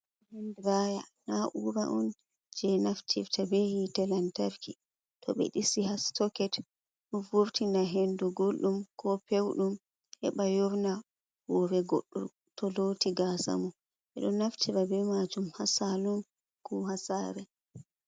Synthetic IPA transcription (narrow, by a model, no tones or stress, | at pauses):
hɛndɾajanaʔuɾaʔɔ̰n | d͡ʒɛnaftʰiɾtabɛhitɛlantaɾki | tʰɔ̰ɓɛ̰ɗisiɦastɔkɛt | ɗuvuɾtinaɦenduɡolɗumkʰɔpewɗum | hɛ̰ɓajɔɾna | wɔɾɛɡoɗːṵ | tʰɔloːtiɡasa̰mu | ɓɛ̰ɗɔnːaftʰiɾabɛmad͡ʒumhasalum | kuhasaːɾɛ